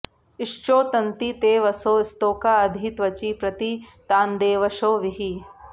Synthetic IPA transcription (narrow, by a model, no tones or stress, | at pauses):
ɪʂt͡ʃoːt̪ɐnt̪it̪eːʋɐsoːɪst̪oːkaɐd̪ʱit̪ʋɐt͡ʃipɾɐt̪it̪aːnd̪eːʋɐʃoːʋiɦi